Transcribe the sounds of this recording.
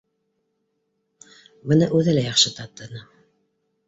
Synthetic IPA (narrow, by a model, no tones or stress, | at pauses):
bɤ̆nɤʔʉðɘlæjɑχʃɤt̪ɑt̪ːɤ̆nɤ